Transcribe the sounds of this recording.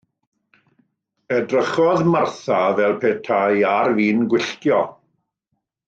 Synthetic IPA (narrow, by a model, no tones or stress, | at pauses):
ɛdrəχɔðmarθavɛlˠpʰeːtʰajarviːnɡwɪɬtjɔ